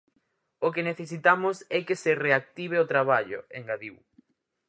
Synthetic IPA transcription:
okeneθes̬it̪amʊsɛkesereak̚t̪iβ̞eot̪ɾaβaʎo̰eŋɡaðiw

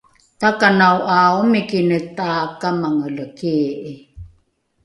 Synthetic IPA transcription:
t̪akanawʔaumikinət̪aːkamaŋələkiʔi

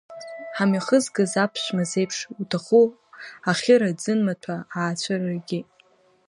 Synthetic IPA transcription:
ħamiχəzɡɨzapʰʃʷmaze̞jpʰʂutʰaχu | aχʲɪɾad͡zɨnmatʷʰaaːt͡ɕʷʰararɡʲi

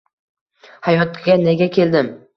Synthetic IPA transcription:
hajɒt̪ɡʲaneɡʲakʲʰe̞ld̪ɪm

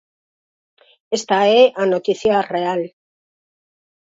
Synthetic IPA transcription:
est̪aeʔanot̪iθjareal

